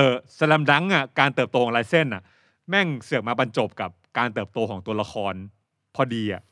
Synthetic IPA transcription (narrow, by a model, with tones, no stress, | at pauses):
ʔɤː˧˩sa˧lɛ˧mda˦˥ŋʔa˨˩kaː˧nt̪ɤː˨˩p̚t̪oː˧ɔ˨˦ŋlaː˧jse˥˩nʔa˨˩ʔ | mɛ˥˩ŋsɯ˨˩ək̚maː˧ba˧nt͡ɕo˨˩p̚ka˨˩p̚kaː˧nt̪ɤː˨˩p̚t̪oː˧kʰɔː˩˦ŋt̪u˧ɐla˧xʰɔː˧n | pʰɔː˧diː˧ʔa̰˨˩ʔ